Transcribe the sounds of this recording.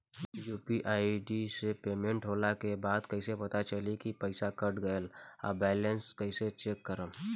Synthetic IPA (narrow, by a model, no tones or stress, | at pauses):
juːpiʔaːiɖisepeːmẽɳʈɦoːlakebaːd̪kɐɪsepɐt̪at͡ʃɐlikipəɪsakɐʈɡɐəla̰bɛːlenskɐɪset͡ʃeːkːəɾə